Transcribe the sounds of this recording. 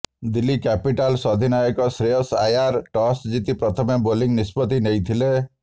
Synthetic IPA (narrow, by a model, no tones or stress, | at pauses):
d̪ilːikɛpiʈalsɔd̪ʱinajɔkɔsɾeɔsajaɾʈɔsd͡ʒit̪ipɾɔt̪ʰɔmeboliŋnispɔt̪inejt̪ʰile